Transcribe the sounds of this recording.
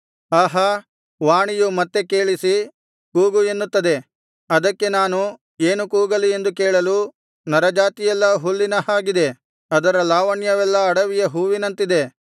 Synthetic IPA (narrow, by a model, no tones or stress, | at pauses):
aːɦɐ | ʋaːɳijumɐt̪ːe̞keːɭisi | kuːɡuenːut̪ːɐd̪e̞ | ɐd̪ɐkːe̞naːnu | eːnukuːɡɐlie̞nd̪ukeːɭɐlu | nɐɾɐd͡ʒaːt̪ijɛlːɐɦulːinɐhaːɡid̪e̞ | ɐd̪ɐɾɐlaːʋɐɳjɐʋɛlːɐːɽɐʋijɐɦuːʋinɐnt̪id̪e̞